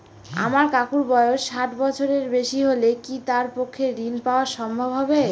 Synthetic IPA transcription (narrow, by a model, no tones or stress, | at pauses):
a̰maɾkakuɾbɔeoʃʃaʈbɔt͡ɕʰoɾeɾbeʃiɦolekit̪aɾpokʰːeɾinpaoaʃɔmbʱobɦɔbe